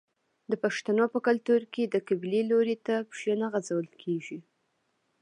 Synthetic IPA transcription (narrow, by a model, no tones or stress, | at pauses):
d̪əpaʃt̪anopəkalt̪uɾked̪əkabileloɾet̪apʒənaɣazawəlkʰeʒi